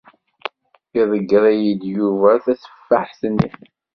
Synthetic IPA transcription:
iðˤəɡɾˤæjəd̪juvæθæsə̥fːaħsnːḭ

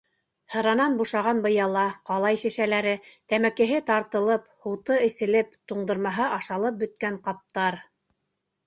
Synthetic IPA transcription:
hɤ̆ɾɑnɑnbuʃɑʁɑnbɤ̆jɑlˠɑqɑlˠɑjʃæ̆ʃælæɾɘt̪æmækɘ̆ɦɘt̪ɑɾt̪ɤ̆lˠɤphŭwt̪ɤɘ̆sɘ̆lɘpt̪uɴd̪ɤ̆ɾmɑɦɤʔɑʃɑlˠɤp̚bɵ̆t̪̚kæɴqɑp̚t̪ɑɾ

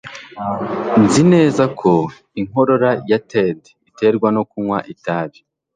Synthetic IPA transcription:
nzine̞ːzakʰo̞ | iŋ̥o̞ɾo̞ɾajated | ite̞ɾɡwano̞kumŋwaʔitaːβi

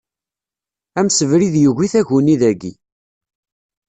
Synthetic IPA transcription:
æmsəvɾiðjuʝiθæʝuniðæɡḭ

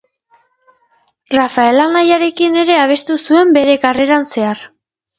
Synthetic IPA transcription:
rafae̞laŋajaɾe̞kine̞ɾe̞aβ̞e̞st̪usue̞mbe̞ɾe̞kare̞ɾanse̞ar

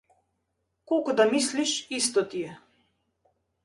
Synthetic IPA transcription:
kokɔd̪amisliʃist̪ɔt̪ijɛ

